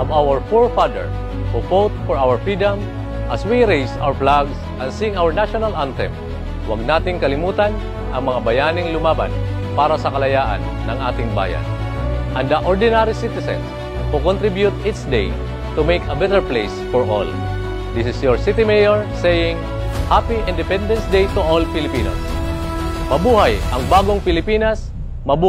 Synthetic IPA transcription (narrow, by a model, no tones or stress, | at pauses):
ʔɔvawɛɹfɔɹfad̪ɛ̰ɹ | hufot̪̚fɔɹʔawəɹfɹid̪ɐm | ʔɐswiɾejsa̰wɛɹflaɡs | ʔɐnsiŋʔawəɹnaʃɔnalʔant̪ɛ̰̃m | waɡ̚naːt̪ɪŋkɐlɪmuːt̪an | ʔɐŋmɐŋabɐjaːnɪŋlʊmaːba̰n | paːɾasɐkɐlɐjaːʔa̰nːɐŋʔaːt̪ɪŋba̰ːja̰n | ʔɐnd̪ɐʔoɹd̪ɪnaɾisɪt̪ɪsɛ̰ns | kukɔnt̪ɾɪbjʊt̪ɪt̪sd̪ej | t̪ʊmejkɐbɛt̪ɛɹplejsfɔɹʔo̰l | d̪ɪsɪsjɔɹsɪt̪ɪmejɛɹsejɪŋ | hapiʔɪ̃nd̪ɪpɛ̃nd̪ɛnsd̪ejt̪ʊʔolfɪlɪpiːno̰s | mɐbuːhajʔɐŋbaːɡoŋpɪlɪpiːnɐs | mɐbu